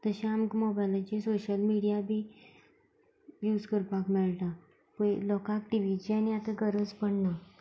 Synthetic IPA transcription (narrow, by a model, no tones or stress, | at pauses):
t̪əɕẽamkmɔbajlat͡ɕisoɕəlmiɽijabʱi | juːd͡zkəɾpakmeɭʈ̪ã | pə̃lɔkakʈiʋit͡ɕianiat̪ə̃ɡəɾəd͡zpəɳna